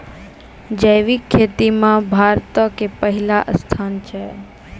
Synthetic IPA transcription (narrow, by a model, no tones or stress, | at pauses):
d͡ʒəjʋikʰːet̪imãbʱaɾt̪əkepəɦilaʔəst̪ʰant͡ʃʰe